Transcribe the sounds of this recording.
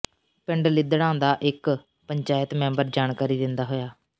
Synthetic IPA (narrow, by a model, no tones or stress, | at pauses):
pɪɳɖlɪd̪ɽãːnd̪aːʔɪk | pəɲt͡ʃaːjət̪mɛ̃ːmbəɾd͡ʒaːɳkaːɾiːd̪ɪnd̪aːɦoːjaː